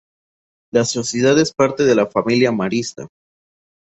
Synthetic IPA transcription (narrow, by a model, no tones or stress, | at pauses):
laso̞sjeðaðe̞spaɾt̪e̞ðelafamiljamaɾist̪a̰